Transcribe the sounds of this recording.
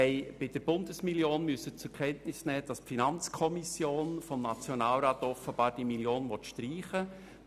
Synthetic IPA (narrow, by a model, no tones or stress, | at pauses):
ɛɪb̥ɪd̥əɾb̥ʊndəsmiljoːnmyəsət͡sʊɾkʰɛntnɪsnɛːd̥ɑspfinɑnt͡skʰɔmisjoːnfɔmnɑt͡sjɔnɑːlɾɑːt̪ɔfəb̥ɑːɾd̥imiljoːnʋɔt̪ʃtriːχə